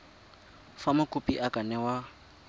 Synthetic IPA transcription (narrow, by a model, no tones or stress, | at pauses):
famakʼupʼiʔakʼanɛwa